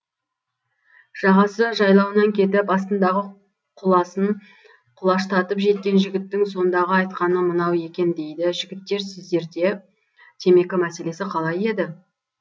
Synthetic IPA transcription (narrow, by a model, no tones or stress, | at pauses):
ʒ̥ɑʁɑsəʒɑjlˠɑwənɑŋkʲʰe̞t̪ɪpɑst̪ənd̪ɑʁə | qʰʊlˠɑsəɴ | qʰʊlˠɑʃt̪ɑt̪əpʒe̞t̪̚kʲe̞nʒɪɡʲɪt̪ːɪŋso̞nd̪ɑʁəɑjt̪qɑnəmənɑwe̞kʲe̞nd̪e̞jd̪ɪʒɪɡʲɪt̪ːe̞ɾsɪzd̪e̞ɾd̪e̞ | t̪ʲʰe̞me̞kʲɪmæse̞le̞sɪqʰɑlˠɑje̞d̪ɪ